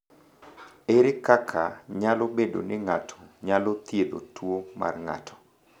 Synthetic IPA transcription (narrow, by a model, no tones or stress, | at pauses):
eɾɪkakʰaɲalɔbedo̰nɪŋatʰɔ̥ɲalɔt̪jelo̰twoma̰rŋa̰tʰɔ̥